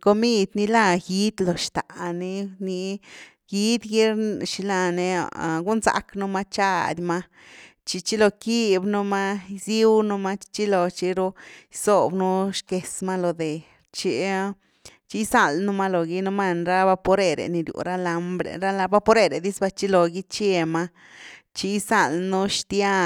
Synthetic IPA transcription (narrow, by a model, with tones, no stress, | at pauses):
ko˧mi˦d̪ni˧la˧ji˦d̪lo˨ʃt̪a̰˨ni˦ni˧˦ | ji˦d̪ɡi˦ɾʃi˧la˧nḛ˧˨ɡu˦nza̰˧˦knu˦ma˦t͡ʃa˧d̪ʲma˦ | t͡ʃi˧t͡ʃi˦lo˧ki˦bnu˦ma˦zi˦wnu˦ma˦t͡ʃi˦lo˨t͡ʃi˧ɾo˦jso˨bnu˦ʃke˨sma˦lo˨d̪e˨ | t͡ʃi˧˦ | t͡ʃi˦jsa˧lnu˦ma˦lo˨ɡi˧˦nu˦ma˦˧nɾa˦ba˦po˧˦ɾe˧ɾḛ˨ni˧ɾjṵ˨ɾa˦la˧mbɾḛ˨ɾa˦la˧ba˦po˦ɾe˧ɾe˨d̪i˦sba˧t͡ʃi˦lo˨ɡi˦t͡ʃe˧ma˦ | t͡ʃi˧˦jsa˧˨lnu˦ʃt̪ja˦